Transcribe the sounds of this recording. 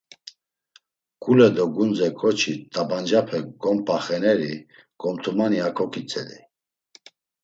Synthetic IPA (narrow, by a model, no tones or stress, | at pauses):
kʼulɛd̪ɔɡund͡zɛkʰʼɔt͡ʃʰit̪ʼaband͡ʒapʰɛɡɔmpʼaχɛnɛɾi | kʼɔmt̪ʰumaniakʰɔkʰit͡sʼɛli